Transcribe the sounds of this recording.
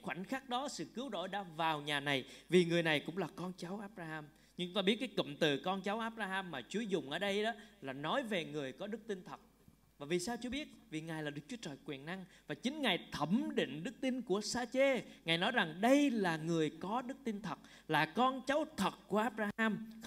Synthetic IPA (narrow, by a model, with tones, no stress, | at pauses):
jxwa˧˩n̟xaː˦˥k̚ɗɔ˨˦sɨ̰˧˨kɨ˨˦wɗo̰˧˨jɗa̰ː˧˥vaː˨˩wɲaː˨˩na˨˩jvi˨˩ŋɨ˨˩əjna˨˩jkʊ̰˧˥ŋ͡mlaː˨˩kɔ˧nt͡ɕa˨˦wʔaː˦˥p̚zaː˧haː˧m | ɲɨ˧˦ŋ͡mt̪aː˧i˦˥t̚kaː˨˦jkə̰˧˨mt̪ɨ˨˩kɔ˧nt͡ɕa˨˦wʔaː˦˥p̚zaː˧haː˧mːaː˨˩t͡ɕu˨˦əjzʊ˨˩ŋ͡mʔəː˧˩ɗə˧jɗɔ˨˦laː˨˩nɔ˨˦jve˨˩ŋɨ˨˩əjkɔ˨˦ɗɨ˦˥k̚t̪i˧nt̪ʰə˨˩t̚ | vaː˨˩vi˨˩saː˧wt͡ɕu˧ɓi˦˥ət̚vi˨˩ŋaː˨˩jlaː˨˩ɨ˦˥k̚t͡ɕu˨˦ə˦t͡ɕəː˨˩jkwi˨˩ənna˧ŋvaː˨˩t͡ɕï˨˦ŋ̟ŋaː˨˩jt̪ʰə˧˩mɗḭ̈˧˨ŋ̟ɗɨ˦˥k̚t̪i˧nku˧˩əsaː˧t͡ɕe˧ŋaː˨˩jnɔ˨˦jza˨˩ŋɗə˧jlaː˨˩ŋɨ˨˩əjkɔ˨˦ɗɨ˦˥k̚t̪i˧nt̪ʰə˨˩t̚ | laː˨˩kɔ˧nt͡ɕa˨˦wt̪ʰə˨˩t̚ku˧˩əʔaː˦˥p̚zaː˧ʔaː˧m